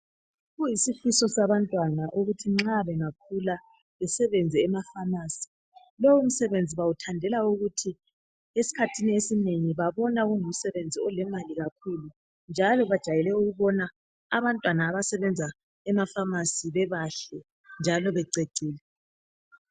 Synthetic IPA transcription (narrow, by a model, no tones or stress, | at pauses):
ɣujisifisɔsaβantʼwanaʔuɣutʰiŋ͡ǁaβɛŋak̚ʰula | βɛsɛβɛnd͡zʱɛːmafamaːsi̥ | lɔwum̩sɛβend͡zʱiβawutʰandʱɛlauɣutʰi | esi̥kʰatʰiniesineŋiβaβɔnaɣuŋum̩sɛβend͡zʱiɔlɛmaliɣakʰuːlu | nd͡ʒʱalɔβad̥ʒ̥ʱajɛlɛuɣuβɔna | aβantʼwanaːβasɛβɛnd͡zʱa | ɛmafamasiβɛβaɬɛ | nd͡ʒʱalɔβɛǀeǀʱiːlɛ